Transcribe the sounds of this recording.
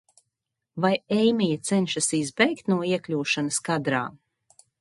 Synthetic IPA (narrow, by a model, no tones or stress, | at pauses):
vajɛjmʲijat̪sɛnʲʃasizbɛjkt̪nuɔiɛklʲuːʃanaskad̪ɾa̰ː